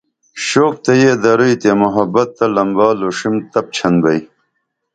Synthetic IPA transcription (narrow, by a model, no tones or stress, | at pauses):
ɕoːk̚t̪ɐjed̪ɐɾujt̪emuɦɐbɐt̪ːɐlɐmbaːloːʂimt̪ɐp̚t͡ɕʰɐnbɐj